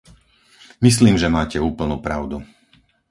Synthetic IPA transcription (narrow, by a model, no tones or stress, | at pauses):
mis̬liːmʒɛmaːcɛuːpl̩nuːpɾaʊd̪u